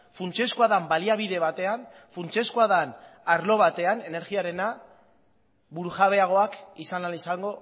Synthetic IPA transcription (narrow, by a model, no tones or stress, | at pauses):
funt͡ʃe̞skuaðambaliaβ̞iðe̞β̞at̪e̞an | funt͡ʃe̞skuaðanaɾlo̞β̞at̪e̞ane̞ne̞ɾɣiaɾe̞na | βuɾuʝaβe̞aɣ̞o̞akisanalisaŋɡo̞